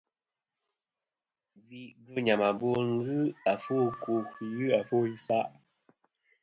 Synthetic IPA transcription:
vi˨ʔɡɨ˦˨ɲa˨ma˨bo˦ŋ̩˦ɡɯ˦a˨fo˦ko˨kjʉ˦a˨fo˦i˦fa˦ʔ

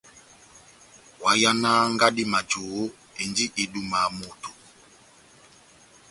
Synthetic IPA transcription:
wa˨ja˦naː˦ŋɡa˦di˦ma˨d͡ʒo˨ɣo˦ | e˨nd͡ʒi˦ʔe˨du˦ma˨mo˨to˨

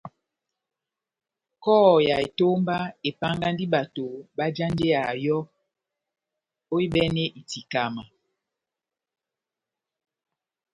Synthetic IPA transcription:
kɔː˦˨ja˨e˨to˦mba˦e˨pa˦ŋɡa˦ndi˦ɓa˨to˨ɓa˦d͡ʒa˦nde˦a˨jɔ˦ | o˦i˦ɓɛ˦nɛ˦ʔi˨ti˨ka˨ma˨

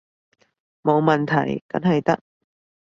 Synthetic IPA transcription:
mo˨˧wmɐ˨nt̪ʰɐ̰˨˩jkɐ̰˨˥nɦɐ˨jt̪ɐ˥k̚

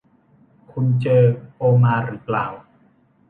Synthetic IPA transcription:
kʰu˧nt͡ɕɤː˧ʔoː˧maː˧ɾɯ˨˦pla̰ː˨˩w

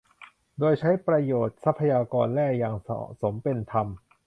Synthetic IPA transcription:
doː˧jt͡ɕʰa˦˥jpɾa˧joː˨˩t̪̚sa˦˥pʰːa˧jaː˧kɔː˧nlɛː˥˩k̚jaː˨˩ŋ̰˨˩so˩˦mpe˧nt̪ʰa˧m

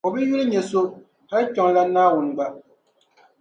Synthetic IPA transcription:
ɔ˨bɨ˦ju˦lɨ˦ɲɛ˨so˦ | ha˦lt͡ʃɔ˨ŋ˦la˦naː˦wʊ˨n˨ɡ͡ba˦

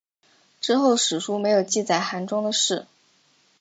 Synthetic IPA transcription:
ʈ͡ʂɻ̩˥˧xo˥˩ʊʂɻ̩˨˩ʂu˥me˧˥ɪjo˨˩ʊt͡ɕi˥˧t͡sa˥˩ɪxa˧˥nʈ͡ʂʊ˥ŋd̪ə˨ʂɻ̩˥˩

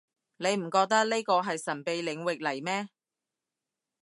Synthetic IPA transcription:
ne˨˧jm̩˨˩kɔː˧k̚t̪ɐ˥k̚ne˥kɔː˧ɦɐ˨jsɐ˨˩npe˨˧jlɪ˨˧˥ŋwɪ˨k̚lɐ˨˩jmɛː˥

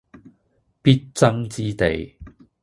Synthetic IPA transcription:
piː˦˥t̚t͡sɐ˥ŋt͡siː˥t̪e˨j

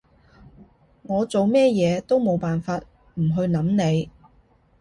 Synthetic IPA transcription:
ŋɔː˨˧t͡so˨wmɛː˥jɛː˨˧t̪o˥wmo˨˧wpaː˨nfaː˧t̚ | m̩˨˩ɦɵ˧ɥnɐ˨˥mne˨˧j

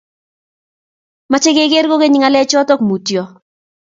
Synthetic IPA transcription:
ma˨t͡ʃe˦ɡe˦ɡe˦ɾɡo˦ɡe˦ɲɪ˦ŋa˨lɛ˦t͡ʃɔ˦tɔ˦kmu˨tjɔ˦

